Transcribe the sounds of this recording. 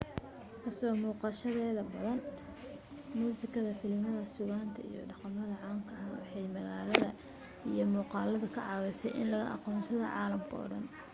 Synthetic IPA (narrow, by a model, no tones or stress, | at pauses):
kʰɐsɔmuːqɑʃɐðɛːðɐbɐðɐn | muːsɪkʰɐðɐfɪlmɐðɐsʊɣaːnt̪ʰɐḭjɔ̰ɖɑqɑmɐðɐʕɑːŋkʰɐaːnwɑ̰ħɑjmɐɣaːlɐðɐ | ijɞmuːqɑːlɐðɐkʰɐʕɑβɛjsɛjʔɪ̰nlɐɣɐ̰ʔɑ̰qɔːnsɐðɐ̰ʕɑ̰ːlɐmkʰɐɔ̰ːɖɐn